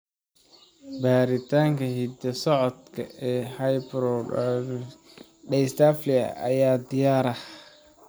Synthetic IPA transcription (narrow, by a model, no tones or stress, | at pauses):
baːɾɪt̪ʰaːŋkʰɐhid̪ɐsɔʕɔd̪kʰɐɛːhɐjbɾɔɖ | ɖɛjst̪ʰaflɪɐ̰ɐ̰jaːd̪ɪjaːɾɐh